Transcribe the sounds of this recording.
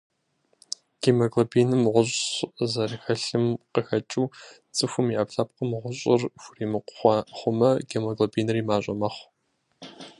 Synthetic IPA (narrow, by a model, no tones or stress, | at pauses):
ɡ̥eːmɐɡlobʰiːnɨmʁʷʊɕʼzɐrxɐɬɨmqəxɐt͡ʃʼuː | t͡sʼɨxʷʊmiʔɐpɬap̚qəmʁʷʊɕʼɪrxʷʊriːmɨqʷʊ̥χʷɑχʷʊmɐɡemɐɡlobʰiːnɨriːmaːɕʼɐ̰mɐχʷ